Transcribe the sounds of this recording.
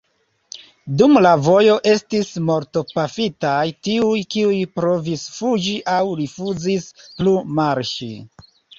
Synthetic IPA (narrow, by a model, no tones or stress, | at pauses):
dumlavo̞jo̞ʔe̞stismo̞ɾto̞pafitajtiujkiujpɾo̞visfud͡ʒiʔawɾifuzisplumaɾʃi